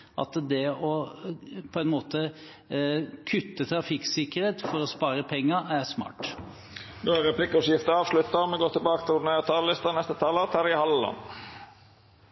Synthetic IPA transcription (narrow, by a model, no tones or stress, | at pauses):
ʔɑ̰t̪d̪ɛɔ | pʰɔɛnmoːt̪ə | kʰʉt̪ːət̪ʰɾɑfɪksɪkəɾeːt̪fɔɾɔspɑːɾəpʰɛŋːɑʔæɾsmɑ̰ːʈ | noːæɾɛpʰlɪkːəɔsjɪft̪əɑːʋʂlʉt̪ːɑmɛɡoːɾt̪ʰɪlbɑːkət̪ʰɪlʊneːt̪ʰɑːllɪst̪ɑnɛst̪ət̪ʰɑlət̪ʰɑɾɪəhɑlːɑ̰n